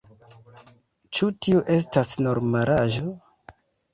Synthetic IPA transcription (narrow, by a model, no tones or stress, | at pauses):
t͡ʃutiuʔe̞s̬tasno̞ɾmaɾaʒo